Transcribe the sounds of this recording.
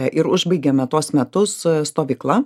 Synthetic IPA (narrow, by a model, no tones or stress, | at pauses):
ʔɪɾʊʒbɐɪɡʲɛmʲɛt̪uɔsmʲɛt̪ʊsst̪oːʋʲiklˠɐ